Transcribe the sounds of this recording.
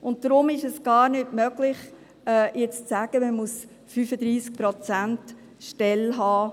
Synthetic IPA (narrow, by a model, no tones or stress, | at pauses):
ʔʊnt̚dɾʊmɪʃɛsɡ̥ɑːɾnɪtmœɡlɪχ | ɛːjɛt͡st͡sæɡ̥əməmus | fyːfəd̪ɾiːsk̚pɾɔt͡sænt | ʃtɛlɦɑː